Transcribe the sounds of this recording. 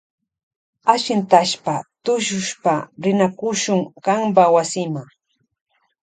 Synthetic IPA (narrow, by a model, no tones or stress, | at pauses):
aʃɪnt̪aʃpat̪ʊʃʊʃpaɾɪnakʊʃʊŋɢambawasɪmaŋ